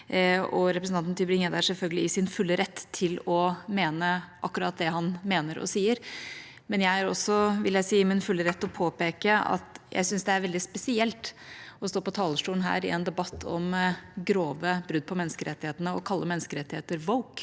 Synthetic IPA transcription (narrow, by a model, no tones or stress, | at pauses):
ɔɾɛpɾəsn̩ɑnt̪nt̪ʰɪbɾɪŋːjəd̪æʂɛlfœlɡəlɪɪsɪnfʉlːəɾɛt̪ʰːɪlɔmeːnəʔɑkːʉɾɑːt̪̚d̪ɛhɑnmeːnəɾʔɔ̰siːəɾ | mɛnjæɪæɾɔsːɔʋɪljæɪsiːɪmɪnfʉlːəɾɛt̪ːɔpʰoːpeːkəɑ̰t̪jæ̰ɪsʏnsd̪ɛæɾʋɛld̪ɪspɛsɪɛlt̪ɔst̪oːpɔt̪ʰɑːləʂʈuːlnɦæ̰ːɾɪ̰ɛnd̪ɛbɑt̪ʰːɔmɡɾoːʋəbɾʉd̪̚pʰɔmɛnːəskəɾɛt̪ːɪheːt̪ənəɔkʰɑlːəmɛnːskəɾɛt̪ːɪheːt̪əɾʋɔʊk